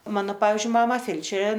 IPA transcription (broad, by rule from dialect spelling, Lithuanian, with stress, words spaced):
ˈmɑːnoː ˈpɑːʋʲɪzʲd͡ʒʲʊɪ ˈmɑːmɐ ˈfʲɛlʲt͡ʃʲɛrʲeː